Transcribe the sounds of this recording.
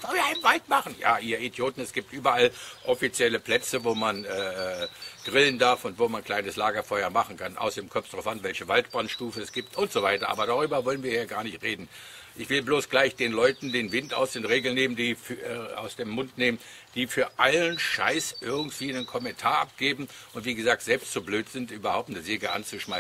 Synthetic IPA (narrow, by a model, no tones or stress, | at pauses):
v̥ɔlviːɐaɪnənvaltmaχn̩ja̰ːʔiːɐidjoːtn̩ɛsɡ̥iːp̚tʔyːbɐalʔɔfit͡sjɛləpl̥ɛt͡səvoːmanɛː | ɡ̥ʁɪləndaɐfʊntv̥oːmankʰl̥aɪnəslaːɡɐfɔʏɐmaχn̩kʰanʔa̰ʊsd̥eːmkʰœɐfd̥ʁaʊfʔanvɛlçəvalt̚b̥ʁantʃtuːfəɛsɡ̥iːp̚tʊntz̥ovaɪtɐʔa̰ːbɐɾaːʁyːbɐvɔlənviːɐhiːɐɡaːɐnɪçtʁeːdn̩ | ʔɪçv̥ɪlbloːsɡ̥laɪçd̥eːnlɔʏtn̩deːnvɪnta̰ʊsd̥eːʁeːɡl̩neːməndiːfɛa̰ʊsd̥eːmːʊntneːmən | d̥iːfyːɐʔalənʃa̰ɪsʔɪɐɡŋ̩tv̥iːnənkʰɔmɛntʰaːɐʔap̚ɡ̥eːbm̩ʔʊntv̥iːɡəzaːk̚tz̥ɛlpstz̥obløːtz̥ɪntʔyːbɐhaʊp̚tnəzeːɡəʔa̰nt͡suʃmaɪs